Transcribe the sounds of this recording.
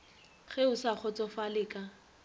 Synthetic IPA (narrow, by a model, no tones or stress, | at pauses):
χɛʊsaχɔt͡sɔfalɪːkʼa